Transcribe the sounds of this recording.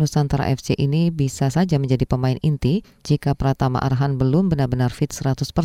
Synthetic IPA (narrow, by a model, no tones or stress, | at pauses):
nusant̪aɾa̰ʔɛfd͡ʒeʔinibisasad͡ʒaməɲd͡ʒadipəmaɪnint̪i | d͡ʒikapəɾat̪ama̰ʔa̰ɾaɦanbəlʊmbənarbənarfɪt̪̚səɾat̪ʊspə